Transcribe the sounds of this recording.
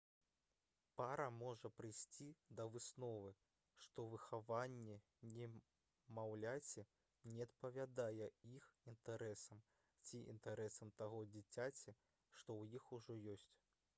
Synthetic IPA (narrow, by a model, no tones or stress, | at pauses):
paɾɐmɔʐɐpɾɨjsʲt͡sʲid̪ɐvɨsnɔvɨ | ʂt̪ɔvɨxavanʲːɛ | nʲɛ | mawlʲat͡sʲɛ | nʲɛɐt̪̚pɐvʲad̪ajɛixint̪aɾɛsɐm | t͡sʲiʔḭnt̪aɾɛsɐmt̪aɣɔd͡zʲit͡sʲat͡sʲɛ | ʂt̪ɔwjixuʐɔjɔsʲt͡sʲ